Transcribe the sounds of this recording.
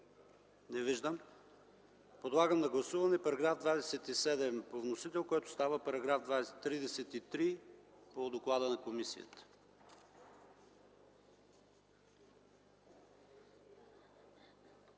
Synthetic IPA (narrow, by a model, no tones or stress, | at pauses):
nɛviʒd̪əm | pod̪lˠaɡəmnɐɡlˠɐsuvɐnɛpɐɾɐɡɾavd̪vad̪ɛsɛt̪isɛd̪ɛmpovnosit̪ɛlˠkɔjt̪ʊ̥st̪avəpɐɾɐɡɾavd̪vat̪ːɾid̪ɛsɛt̪it̪ɾi | pod̪oklˠad̪ənɐkomisijə̰t̪ə̥